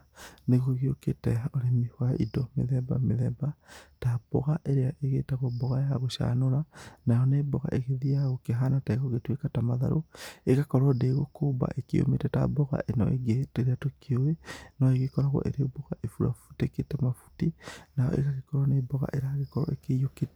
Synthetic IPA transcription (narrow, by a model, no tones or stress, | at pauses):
neɣoɣioketɛoɾemihwaidɔmḛðɛba̰meðɛbatab̥ɔ̰ɣaʔeɾeaʔeɣḛːtaɣobɔɣajaɣoʃa̰noɾanajɔnebɔɣa̰ʔeɣeðijaɣokeɦanataeɣoɣetwekatamaða̰ɾʔo̰eɣakɔɾɔdeɣokoːba̰ʔekeo̰mḛtɛta̰bɔɣa̰ʔenɔ̰ḛɡeteɾeatokʰeoenɔeɣekɔɾaɣwɔ̰ʔḛɾeoboɣaʔefuɾa̰fu̥teketɛmafu̥tinajɔ̰ʔḛɣaɣekɔɾɔnebɔɣa̰ʔeɾaɣekɔɾɔ̰ʔḛkejoket